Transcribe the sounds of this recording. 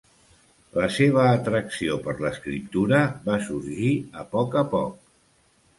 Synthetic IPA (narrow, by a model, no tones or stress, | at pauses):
ləseβ̞əːt̪ɾəksiopəɾləskɾḭp̚t̪uɾəβasuɾʒiəpɔkəpɔ̰k̚